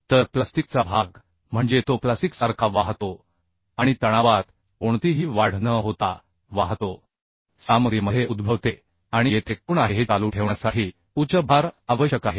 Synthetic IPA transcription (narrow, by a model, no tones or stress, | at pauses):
t̪əɾplast̪ik̚t͡sabʱaɡ | m̤əɳd͡zet̪oplasiksaɾkʰaʋaɦt̪o | aɽ̃it̪əɽ̃aʋat̪ | oɳt̪iɦiːʋaɽ̤nəɦot̪a | ʋaɦt̪o | samɾiməɦeʔud̪bʱəʋt̪e | aɽ̃ijet̪ʰek̚uːɳaɦeɦet͡saluːʈʰeʋɳjasaʈʰi | ut͡ɕəbʱaɾaʋəɕjəkaɦe